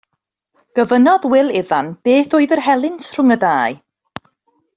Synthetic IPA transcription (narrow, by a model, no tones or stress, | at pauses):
ɡ̥əvənɔðwɪlˠɪðanb̥eːθoɨðərɦɛlˠɪntr̥ʊŋədaːɨ